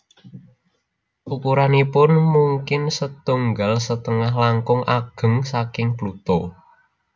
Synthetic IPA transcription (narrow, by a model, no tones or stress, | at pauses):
ʔukuɾanipʊnmuŋkɪnsət̪uŋɡalsət̪əŋaɦlaŋkʊŋʔaɡ̥ə̤ŋsakɪŋplut̪o